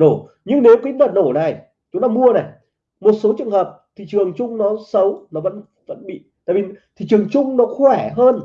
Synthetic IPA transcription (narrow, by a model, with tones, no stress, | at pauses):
no˧˩ | ɲɨ˧ŋne˨˦wki˨˧˦nə˨˩t̚no˧˩na˨˩j | t͡ɕʊ˨˦ŋ͡mlaː˨˧˦mu˧əna˨˩j | mo˨˩t̚so˨˦t͡ɕɨ˨əŋhəː˨˩p̚t̪ʰi˨˩t͡ɕɨ˨˩əŋt͡ɕʊ˧ŋ͡mnɔ˨˦sə˨˦wnɔ˨˦və̰˧˥n | və̰˧˥nɓḭ˧˨t̪a̰ː˧˨vi˨˩t̪ʰi˨˩t͡ɕɨ˨˩əŋt͡ɕʊ˧ŋ͡mnɔ˨˦xwɛ˧˩ɦəː˧n